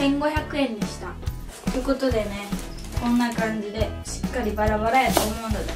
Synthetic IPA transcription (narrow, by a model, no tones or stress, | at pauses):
ẽ̞ŋɡo̞çakɯ̟ẽ̞ɲd̪iɕi̥t̪a | t̪ɯ̟ko̞t̪o̞d̪e̞ne̞ | kõ̞nːakãɲ̟ɡid̪e̞ɕi̥kːaɾʲibaɾabaɾaet̪omõnd̪od̪e